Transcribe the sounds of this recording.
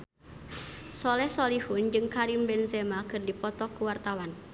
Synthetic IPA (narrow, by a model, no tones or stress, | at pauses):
sɔlɛhsɔlihund͡ʒɨŋkaɾimbɛnzɛmakɨrdipɔt̪ɔkuwart̪awan